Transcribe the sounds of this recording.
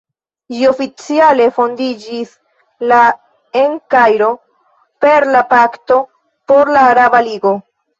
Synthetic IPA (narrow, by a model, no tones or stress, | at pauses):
d͡ʒio̞fit͡siale̞fo̞ndid͡ʒis | la | eŋkajɾo̞ | pe̞ɾlapakto̞ | po̞ɾlaːɾabaliɡo̞